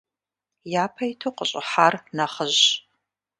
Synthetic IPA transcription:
jaːpʰɐjitʰuqəɕʼɪ̰ħarnɐχəʑ

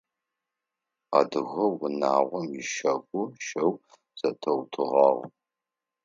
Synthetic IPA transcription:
a̰dɨɣɐwʊnaːʁʷɔmjɪʃɐɡʷʊʃɐw | z̥ɐtʰɐwtʰɨʁɑːʁʷ

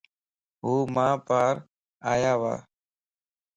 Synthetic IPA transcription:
ɦuːmãːpaːɾ | aːjaːʋa̰ː

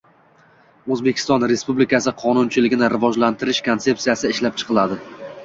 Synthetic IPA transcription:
ɵzbe̞kʲʰɪ̥st̪ɒnɾe̞spublɪkasɪqʰɒnʊnt͡ʃʰɪlɪɡʲɪnɪɾɪvɒd͡ʒlant̪ʰɪɾɪʃkʰont̪se̞p̚sijasɪɪʃlap̚t͡ʃʰɨ̥qʰɨlˠad̪ɪ

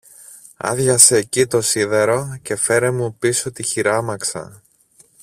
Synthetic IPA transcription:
ɐ̰ðʝɐseːcit̪o̞siðe̞ɾo̞ce̞fe̞ɾemupiso̞t̪içiɾɐmɐksɐ̰

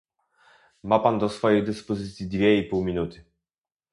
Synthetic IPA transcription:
mapand̪ɔsfɔjejd̪ɘspɔzɘt̪sʲjid̪vʲjɛipuwmʲinut̪ɘ̥

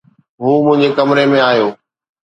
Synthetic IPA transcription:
ɦuːmʊ̃ɦɪ̃ɲd͡ʑekɐmɾemẽaːjoː

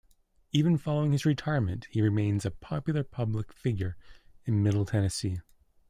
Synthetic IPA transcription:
ivɨ̃nfɑlˠoʊɪ̃ŋɨzɹɨtʰaɪəɹmɨ̰̃nʔhiɹɨmẽɪ̃nzɨpʰɑpjl̩ˠə˞pʰʌbləkfɪɡjə˞ɨ̃nmɪɾl̩ˠtʰɛnɨsi

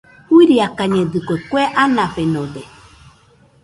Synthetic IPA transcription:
huiɾiakaɲẽd̪ɨkʷekweʔanãɸenõd̪e

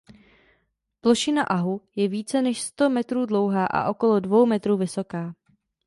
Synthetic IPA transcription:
ploʃɪnaʔaɦujɛviːt͡sɛnɛʃst̪o̞mɛt̪ɾuːdlo̞wɦaːʔa̰ʔo̞ko̞lo̞dvo̞wmɛt̪ɾuːvɪso̞kaː

